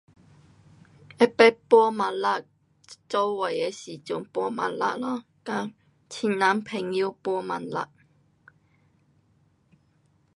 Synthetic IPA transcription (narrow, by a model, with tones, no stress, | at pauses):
ɛ˦˥pɛ˥pɔ˧ma˨˩la˧ | t͡so˧˥wwa˨˩jɛ˧siː˨˩t͡sʊ˨˩ŋpɔ˧˥ma̰˨˧nla̰˧ʔlɔ˧˥ | ka˧˥ | t͡ɕʰi˨˩nna˨˥mpʰɛ˨˩ŋji˧˥wpɔ˧ma̰˨˩nla̰˧˩ʔ̚